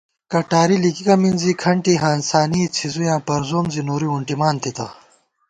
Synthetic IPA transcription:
kɐʈaːɾilikikɐminzikʰɐɳʈiɦaːnsaːniːt͡sʰizujãːpɐɾzoːmzinoːɾiuɳʈimaːnt̪it̪ɐ

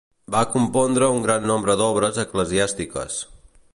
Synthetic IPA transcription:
bakumpɔnd̪ɾəuŋɡɾanːɔmbɾəd̪ɔβ̞ɾəzəkləziast̪ikə̰s

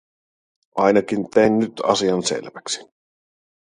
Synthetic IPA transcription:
ʔɑjnɑkint̪ejnːyt̪ɑ̰siɑnsḛlʋæksi̥

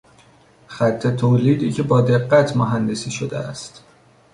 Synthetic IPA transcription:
xæt̪ʰːe̞t̪ʰoːliːd̪iːcʰe̞bɒːd̪e̞ɢːæt̪ʰmoɦænd̪esiːʃod̪eæ̰st̪

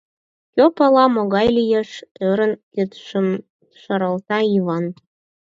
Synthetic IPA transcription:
kʲøpɑlɑmoɣɑjlijeʃøɾənkøt̪ʃəm | ʃəɾəlt̪ɑiβɑn

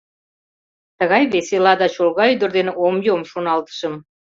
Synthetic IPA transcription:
t̪əɣɑjβeselɑd̪ɑt͡ɕolɣɑyd̪ə̆rd̪eneomjomʃonɑlt̪ə̥ʃə̆m

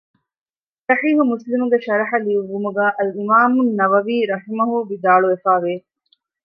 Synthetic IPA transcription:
sɐħiːɦumuslimuɡeʃɐɾɐħɐliuʋːumuɡæːʔɐlimaːmunːɐʋɐʋiːɾɐɦimɐɦuʋid̪aːɭuʋefaːʋeː

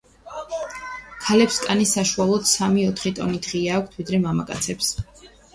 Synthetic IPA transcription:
kʰalɛpskʼanisaʃualˠɔd̪samiɔt̪ʰχit̪ʼɔ̰nid̪̥ʁiaːkʷʰt̪ʰvid̪ɾɛmama̰kʼa̰t̪sʰɛps

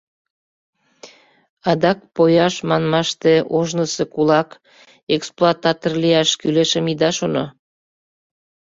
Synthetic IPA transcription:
ɑd̪ɑk̚pojɑʃmɑnmɑʃt̪eʔoʒnəsekulɑk | eksploɑt̪ɑt̪orlijɑʃkyleʃəmid̪ɑʃono

